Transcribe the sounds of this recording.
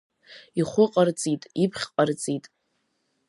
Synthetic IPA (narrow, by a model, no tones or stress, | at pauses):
iχʷʊqʼart͡sʼitʼipʰχʲqʼart͡sʼitʼ